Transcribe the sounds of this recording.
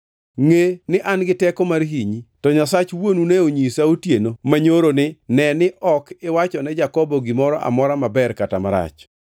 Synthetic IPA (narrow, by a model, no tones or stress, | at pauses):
ŋenɪʔanɡɪtɛkɔmarɦiɲitɔɲasat͡ʃwonunɛoɲisaotjenomaɲoɾonɪnɛnɪʔɔkɪwat͡ʃɔnɛd͡ʒakɔbɔɡɪmɔɾɔʔa̰mɔɾamabɛrkatamaɾa̰t͡ʃ